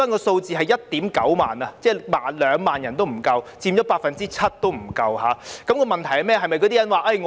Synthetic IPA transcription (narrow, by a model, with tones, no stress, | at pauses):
aː˥nkɔː˧so˧wt͡siː˨˧ɦɐ˨jɐ˥t̚t̪iː˨˥mkɐ˨˥wma̰ː˨˩nɐ˧t͡sɛː˥˩maː˨nlœː˨˧ŋmaː˨˩njɐ˨˩nt̪o˥wm̩˨˩kɐ˧wt͡siː˧mt͡ʃɔː˨˥paː˧t̚fɐ˨nt͡siː˥t͡sʰɐ˥t̚t̪o˥wm̩˨˩kɐ˧whaː˨˥kɐ˨˥mkɔː˧mɐ˨nt̪ʰɐ˨˩jhɐ˨jmɛː˥˩ɦɐ˨jmɐ˨jkɔ˨˧t̪i˥jɐ˨˥nwaː˨ʔɐ˥˩ŋ